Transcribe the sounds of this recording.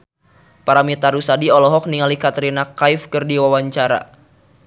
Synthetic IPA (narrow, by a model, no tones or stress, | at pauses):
paɾamit̪aɾusadiɔlɔɦɔk̚niŋalikat̪əɾinakaifkɨrdiwawaɲt͡ʃaɾa̰